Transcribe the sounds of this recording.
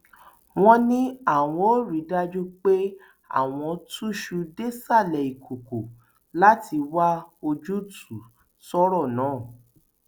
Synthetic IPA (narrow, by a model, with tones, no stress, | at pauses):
w̃ɔ̃˧nĩ˦a˦˨w̃ɔ̃˧˦o˦ɾi˨˦da˧d͡ʒu˦k͡pe˦ | a̰˦˨w̃ɔ̃˧tu˦ʃu˧de˦sa˦˨lɛ˨i˨kʰu˨ku˨ | la˦tʰi˧wa˦o˧d͡ʒu˦tʰu˨ | sɔ˦ɾɔ˦˨nãː˨˦˨